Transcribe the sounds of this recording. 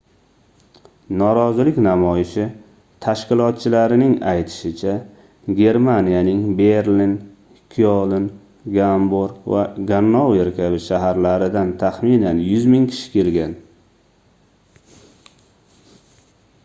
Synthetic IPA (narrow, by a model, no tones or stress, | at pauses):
nɒɾɒzɪlɪkʲnamɒjɪʃɪ | t̪ʰaʃqɪlˠɒt̪̚t͡ʃʰɪlaɾɪnɪŋajt̪ʰɪ̥ʃɪt͡ʃʰa | ɡʲe̞ɾmanijanɪŋbe̞ɾlin | kʲʰolˠɪn | ɡamboɾva̰ɡanːoweɾkʲʰabɪʃaɦaɾlaɾɪd̪ant̪ʰaχmɪnanjʊzmɪŋkʲʰɪ̥ʃɪ̥kʲe̞lɡʲan